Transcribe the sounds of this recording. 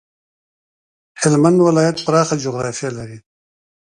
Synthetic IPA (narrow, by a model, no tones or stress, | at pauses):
hɪlmand̪wɪlɑːjat̪̚pɾɑːxad͡ʒʊɣɾɑfijalaɾi